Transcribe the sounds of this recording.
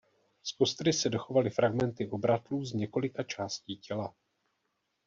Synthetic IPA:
spo̞st̪ɾɪsɛdo̞xo̞valɪfɾaɡmɛnt̪ɪʔo̞bɾat̪luːzɲɛko̞lɪkat͡ʃaːsciːcɛla

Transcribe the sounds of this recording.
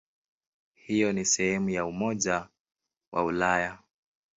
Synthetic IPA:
hijɔnisɛhɛmujaumɔʄa | wʔa̰ulaja

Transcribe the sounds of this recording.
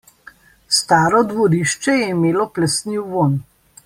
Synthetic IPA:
st̪aːɾɔd̪ʋɔɾiːʃt͡ʃɛjɛimeːlɔplɛst̪niwʋon

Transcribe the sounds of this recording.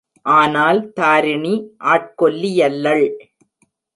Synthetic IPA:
ʔaːnaːlt̪aːɾɪɳiʔaːʈ̚kɔlːɪjɐlːɐɭ

